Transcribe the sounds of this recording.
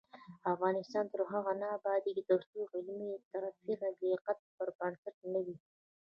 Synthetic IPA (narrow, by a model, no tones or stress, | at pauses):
afɣɑnɪst̪ɑnt̪əɾɦaɣanɑbɑd̪id̪əd̪ast̪uɣɪlmit̪aɾafiɾaɡiqat̪̚pəɾkansɪʈnawi